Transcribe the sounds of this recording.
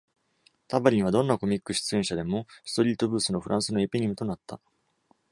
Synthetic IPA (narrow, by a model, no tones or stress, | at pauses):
t̪abaɾʲiɲ̟iβ̞ad̪õ̞nːako̞mʲikːɯ̟ɕi̥t͡sɨẽ̞ɰ̃ɕad̪e̞mo̞sɨ̥t̪o̞ɾʲiːt̪o̞bɯ̟ːsɨno̞ɸɯ̟ɾʔãɰ̃sɨno̞epʲeɲ̟imɯ̟t̪o̞nat̪ːa